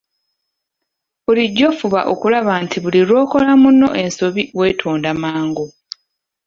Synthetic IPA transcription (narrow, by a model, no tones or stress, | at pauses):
βuliɟːo̞fuβa̰ʔo̞̰kulaβantʰiβuliɾo̞ːko̞lamunːo̞̰ʔe̞nso̞βiwe̞ːtʰoːndamaːŋɡo